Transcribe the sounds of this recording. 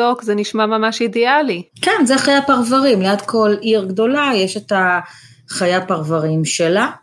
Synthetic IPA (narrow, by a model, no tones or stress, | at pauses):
okzeniʃmamamaʃidealikɛnzeχajapaʁvaʁimleatkʰo̞liʁɡdo̞lajeʃeta | χajapaʁvaʁimʃela